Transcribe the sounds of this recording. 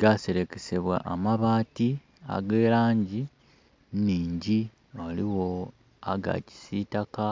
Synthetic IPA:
ɡase̞ɾe̞kese̞βwa̰ʔamaβaːti | a̰ɡeːlaːɲɟi | niːɲɟi | waliwo | aɡa̰ci̥sitaka

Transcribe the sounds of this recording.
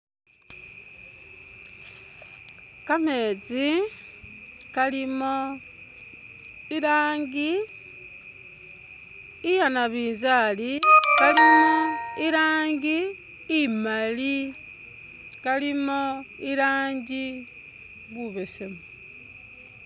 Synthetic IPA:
kame̞ːt͡si | kalimo | iɾaːŋɡi | ijanaβiːnzalikalimoiɾaːɲɡi | imali | kalimoiɾaːɲɟi | βuβesemo

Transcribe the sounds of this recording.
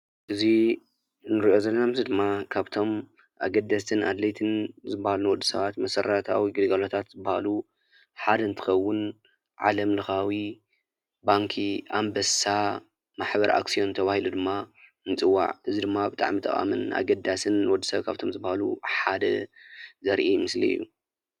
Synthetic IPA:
ʔɨzi | nɨɾiʔo̞zɐlːɐnamzid̪ɨmːakʰaβt̪ʰo̞m | ʔaɡɐd̪ːɐst̪ʰɨnʔad̪lɐjt̪ʰɨnzɨbːahalunɨwɔd̪ːusɐ̰βat̪mɐsɐɾat̪ʰa̰wiɡɨlɡalot̪ʰat̪zɨbːahalu | ħad̪ɐnt̪ʰɨ̥xɐwːʊn | ʕa̰lɐmlɨxawi | baŋkʰiambɐsa | maħbɐɾʔa̰ksio̞nt̪ʰɐβahilud̪ɨmːa | ɨnt͡sʼɨwːa̰ʕɨzid̪ɨmːabɨt̪ʼa̰ʕmit̪ʼɨ̰χʼa̰mɨnʔa̰ɡɐd̪ːasɨnːɨwɔd̪ːɨsɐβkʰaβt̪ʰomzɨbːahalṵħad̪ɐ̰zɐɾʔimɨslḭɨ̰jːu

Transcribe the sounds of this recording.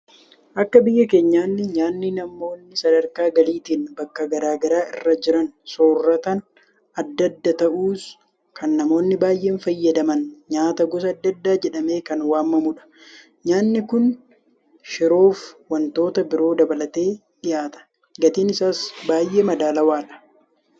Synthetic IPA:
ʔɐkːɐbɪjːɐke̞ːɲːaːnːɪɲaːnːɪnɐmo̞ːnːɪsɐd̪ɐɾkaːɡɐliːt̪iːnbɐkːɐɡɐɾaːɡɐɾaːʔɪ̰rːɐd͡ʒɪɾɐnsoːrːɐt̪ɐn | ɐd̪ːɐd̪ːɐt̪ɐʔuːs | kʰɐnːɐmo̞ːnːɪbaːjʔe̞ːnfɐjːɐd̪ɐmɐnɲaːt̪ɐɡɔs̬ɐːd̪ːɐd̪ːaːd͡ʒɛᶑɐme̞ːkɐnwaːmːɐmʊᶑɐ̥ | ɲaːnːɪkʊn | ʃɪɾo̞ːfwɐnt̪o̞ːt̪ɐbɪɾo̞ːd̪ɐbɐlɐt̪e̞ː | ᶑɪjaːt̪ɐ̥ | ɡɐt̪iːnɪsaːsbaːjʔe̞ːmɐd̪aːlɐwaːᶑɐ̥

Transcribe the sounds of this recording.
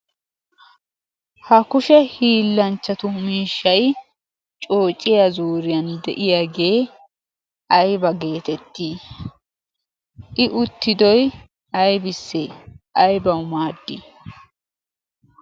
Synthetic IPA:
hɐkʊʃɛhiːlːɐnt͡ʃːɐt̪ʊmiːʃːɐj | t͡ʃʼo̞ːt͡ʃʼːɪjɐzuːɾɪjɐnd̪ɛ̰ʔɪjaɡe̞ː | ʔɐjbɐɡe̞ːt̪ɛt̪ːiː | ʔɪʔʊt̪ːɪd̪ɔj | ʔɐjbɪsːeʔɐjbɐwmaːd̪ːɪ

